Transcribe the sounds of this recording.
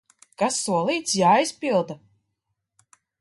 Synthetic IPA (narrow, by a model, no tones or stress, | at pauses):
kasːuɔlˠiːt̪sjaːjspʲilˠd̪a